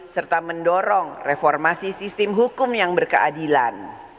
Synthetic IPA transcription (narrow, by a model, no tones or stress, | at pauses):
sərt̪aməndɔɾɔŋrefɔrmasisist̪ɪmɦukʊmjaŋbərkəʔadila̰n